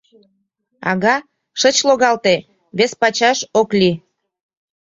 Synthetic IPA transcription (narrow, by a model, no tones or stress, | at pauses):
ɑ̰ɣɑ | ʃət͡ɕloɣɑlt̪e | βespɑt͡ɕɑʃoklʲi